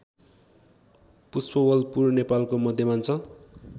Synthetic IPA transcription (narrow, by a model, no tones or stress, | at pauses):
puspʌwʌlpurnepalkomʌd̪ʱjʌmant͡sʰʌ